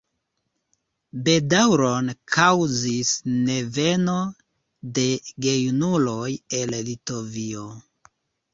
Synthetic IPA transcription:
be̞dawɾonkʰawzisne̞ve̞no̞ | de̞ɡe̞junulo̞jellito̞vio

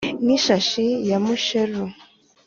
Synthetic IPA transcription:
niʃaʃijamuʃeɾu

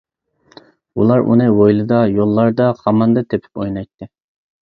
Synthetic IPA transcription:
ulˠɑɾʔṵnɨwojlˠɨd̪ɑjolˠːɑɾd̪ɑχɑmɑnd̪ɨt̪ʰepʰɪ̥pojnɑjt̪ːɨ

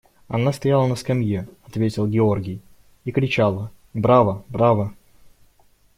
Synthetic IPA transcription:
ɐ̰nast̪ɐjalˠənəskɐmʲjeɐt̪vʲetʲɪlˠɡʲɪo̞rɡʲɪj | ikɾʲɪt͡ɕalˠə | bɾavəbɾavə

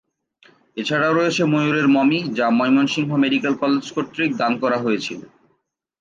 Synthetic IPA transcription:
et͡ɕʰaɽaoɾɔet͡ɕʰemojuɾeɾmɔmid͡ʑamɔjmonʃiŋɦomeɖikelkɔled͡ʑkoʈːɾik̚d̪ankɔɾaɦojet͡ɕʰilo̰

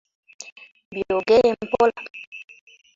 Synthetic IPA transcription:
bjoɡejem̩pola̰

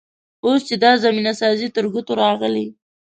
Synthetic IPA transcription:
ost͡ʃed̪ɑzaminasɑzit̪əɾɡut̪oɾɑɣəli

